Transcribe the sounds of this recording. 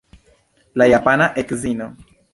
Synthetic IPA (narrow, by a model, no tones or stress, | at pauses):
lajapanaʔekzino